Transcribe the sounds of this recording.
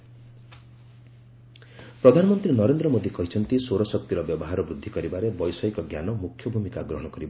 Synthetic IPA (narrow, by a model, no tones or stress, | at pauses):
pɾɔd̪ʱanɔmɔnt̪ɾinɔɾend̪ɾɔmod̪ikɔɦit͡ʃʰɔnt̪isoɾɔsɔk̚t̪iɾɔbjɔbɔɦaɾɔbɾud̪ʱːikɔɾibaɾebɔjsɔjkɔɡja̰nɔmukʰjɔbʱumikaɡɾɔɦɔɽ̃ɔkɔɾiba